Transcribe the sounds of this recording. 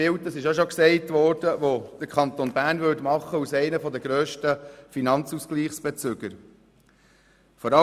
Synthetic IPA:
ɪwtəsɪʃoʃoɔksɛɪtʋɔːɾd̥əʋod̥əɾkʰɑnt̪onbæːɾnʋʏtmɑχːəusɛɪnəfɔd̪əɡɾøːʃtəfinɑnt͡suskliːχsb̥et͡sʉɡəɾ | fɔɾɑ

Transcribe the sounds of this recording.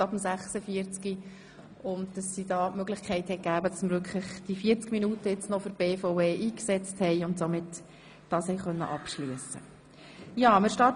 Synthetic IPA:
ɑbəmsæχsəfiəɾt͡ski | ʊntd̥ɑsːid̥ɑːmøɡlɪχkʰɛɪthɛɡ̥æːbəd̥ɑsməɾʋʏɾkʰlɪχd̥ifiːəɾt͡skminuːtəɪt͡snɔføɾb̥eːfaʊeːʔiːksɛt͡sthɛɪʊntsomɪt | d̥ɑːshɛɪjχœnːə̰ʔɑpʃlyəsə̰ | jɑːmɪʃtɑː

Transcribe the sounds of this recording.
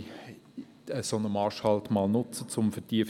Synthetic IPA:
əsonəmɑːʃhɑltmɑːlnʊt͡sət͡sʊmfɛtiəf

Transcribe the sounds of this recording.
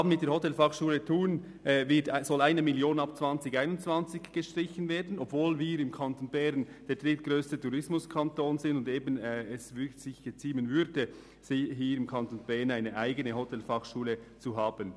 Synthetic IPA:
hɑːbən̩mɪtd̥eːhotɛlfɑχʃuːlətʰuːn | ʔːvɪtsɔlaɪnəmiljoːnɑpt͡sv̥ɑnt͡sɪɡaɪnʊntt͡sv̥ɑnt͡sɪçɡ̥əʃtɾɪçənveːdn̩ɔbvoːlviːɾɪmkʰɑntoːnbɛɾnd̥eːɐd̥rɪtɡ̥ɾøːstətuɾɪsmʊskʰɑntoːnzɪndʊndeːbənɛɛsvɪsɪçɡ̥ət͡siːmənvʏɾdə | sɪɦiːɾɪmkʰɑntoːnb̥ɛnaɪnəʔaɪɡənəhotʰɛlfɑχʃuːlət͡suɦɑːb̥ən

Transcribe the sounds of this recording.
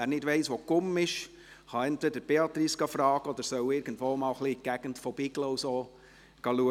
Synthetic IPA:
æːɾnɪdvɛɪsʋokʊmɪʃ | χɑɛntvɛd̪əɾb̥eɑt̪ɾisɡ̥ɑfɾɑːɡəɔd̪əɾsœʊɪɾɡ̥ən̩dvoːmɑːlχliɡ̥æɡ̥əntfɔb̥iːɡloʊsoː | ɡ̥ɑluə

